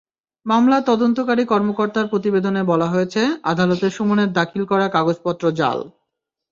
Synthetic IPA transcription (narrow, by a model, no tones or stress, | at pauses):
mamlat̪ɔd̪ont̪okaɾikɔɾmokoɾt̪aɾpɾot̪ibed̪onebɔlaɦojet͡ɕʰea̰d̪ʱalot̪eʃumuneɾd̪akʰilkɔɾakaɡod͡ʑpɔt̪ːɾod͡ʑa̰l